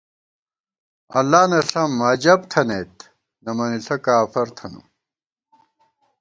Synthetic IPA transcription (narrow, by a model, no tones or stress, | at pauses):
ɐ̰lːaːnɐɬɐmɐd͡ʑɐbt̪ʰɐneːt̪ | nɐmɐniɬɐkaːfɐɾt̪ʰɐnṵ